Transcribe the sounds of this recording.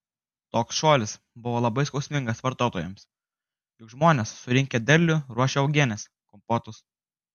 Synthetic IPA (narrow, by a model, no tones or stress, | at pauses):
t̪oːksʃoːlʲɪs | bʊʋoːlˠɐbɐɪskɒʊsʲmʲɪŋɡɐsʋɐɾt̪oːt̪oːjɛms | jʊkʒmoːnʲeːsːʊɾʲɪŋʲkʲɛd̪ʲɛɾʲlʲʊɾuɔʃʲɛɐʊɡʲiɛnʲɛs | kʊmpoːt̪ʊs